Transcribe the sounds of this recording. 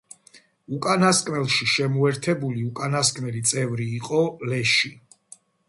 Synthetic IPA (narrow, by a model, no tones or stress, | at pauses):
ukʼanaskʼmɛlˠʃiʃɛmuɛɾt̪ʰɛbuliukʼanaskʼmɛlit̪sʼɛvɾiːqʼɔlɛʃi